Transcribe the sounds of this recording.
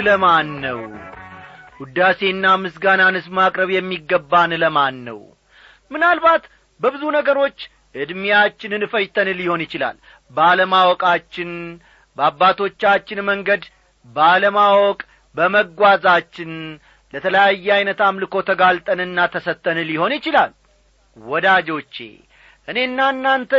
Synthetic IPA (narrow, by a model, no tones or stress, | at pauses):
ləmanːəw | ɡud̪ase̞nːamɨsɡananɨsmakʼɾəβjɛmːiɡːəbːanɨləmanːə̰w | mɨnalbat̪ | bəbɨzunəɡəɾo̞t͡ʃː | ʔɨd̪mijat͡ʃːɪnɨnɨfəjt̪ʰənɨlɪho̞njɪt͡ʃɪla̰l | bəaləmawɔkʼat͡ʃːɪn | bəabːat̪ʰo̞t͡ʃːat͡ʃːɪnməŋɡəd̪ | bəaləmawɔkʼ | bəməɡʷwazat͡ʃːɪn | lət̪ʰələjajːɛajnət̪amlɨko̞t̪ʰəɡalt̪ʼənɨnːat̪ʰəsət̪ːənɨlɪho̞njɪt͡ʃɪlal | wɔd̪ad͡ʒo̞t͡ʃːḛ | ʔɨne̞nːanːant̪ʰə